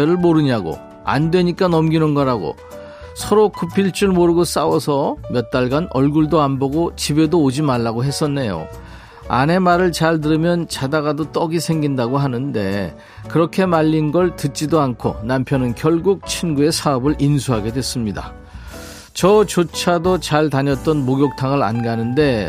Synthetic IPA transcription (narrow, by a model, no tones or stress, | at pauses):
eɾɯɭmoɾɯɲaɡo̰ | a̰ndwe̞ɲik͈anʌmɡinɯnɡʌɾaɡo̰ | sʰʌɾokupʰiɭt͡ɕ͈uɭmoɾɯɡos͈awʌsʰʌmjʌt̚t͈aɭɡanʌɭɡuɭdoanbʌɡot͡ɕibe̞doːd͡ʑimaɭːaɡoɦe̞s͈ʌnːe̞jo̰ | a̰ne̞maɾɯɭt͡ɕaɭt̬ɯɾɯmjʌnt͡ɕadaɣadot͈ʌɡisʰe̞ŋɡindaɡoɦanɯnde̞ | kɯɾʌkʰe̞maʎːinɡʌɭtɯt̚t͡ɕ͈idoankʰo̰nampʰjʌnɯnkjʌɭɡuk̚t͡ɕʰinɡue̞sʰaʌbɯɭʔinsʰuɦaɡe̞dwe̞s͈ɯmɲida̰ | t͡ɕʌt͡ɕot͡ɕʰadot͡ɕaɭtaɲʌt̚t͈ʌnmoɡjok̚tʰaŋɯɾa̰nɡanɯnde̞